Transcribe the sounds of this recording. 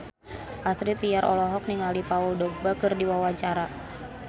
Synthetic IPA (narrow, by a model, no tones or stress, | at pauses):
ʔast̪ɾit̪ijaɾʔɔ̰lɔɦɔk̚niŋalipauldɔɡ̚bakɨrdiwawaɲt͡ʃaɾa